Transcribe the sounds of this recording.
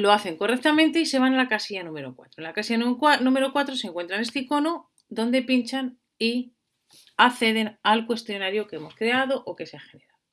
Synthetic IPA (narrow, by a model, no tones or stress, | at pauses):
lo̞aθe̞ŋko̞re̞k̚t̪amẽnt̪eise̞β̞analakasiʝanũme̞ɾo̞kwa̰t̪ɾonlakasijanuanũme̞ɾo̞kwat̪ɾo̞seŋkwe̞nt̪ɾanest̪eiko̞no | d̪o̞nd̪e̞pint͡ʃan | i | aθe̞ðe̞nalkwe̞st̪jo̞naɾjokee̞mo̞skɾe̞að̞o̞ʔoke̞seaxe̞ne̞ɾao